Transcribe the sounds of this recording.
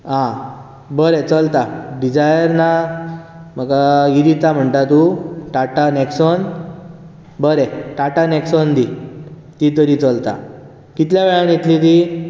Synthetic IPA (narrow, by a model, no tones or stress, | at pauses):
ɦã | bəɾet͡səlt̪aɖid͡ʑajəɾna | m̤əɡajiɾit̪am̤əɳʈ̪at̪uʈaʈanɛksɔn | bəɾeʈaʈaneksɔnd̪i | t̪it̪̬əɾit͡səlt̪a̰ | kit̪ljaʋeɭanjet̪lit̪i